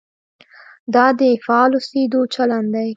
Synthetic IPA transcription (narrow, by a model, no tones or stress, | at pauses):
d̪ɑd̪əfɑlused̪ot͡ʃaland̪aj